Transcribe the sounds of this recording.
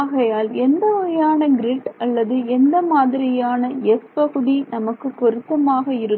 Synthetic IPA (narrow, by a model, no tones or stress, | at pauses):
aːɣɐjaːlɛnd̪ɐɾɐjaːnɐɡɪɾɪʈɐlːɐðɯɛnd̪ɐmaːðɪɾɪjaːnɐɛspɐɣɯɽinɐmɐkːɯpːɔɾɯt̪ːɐmaːɣɐɪɾɯ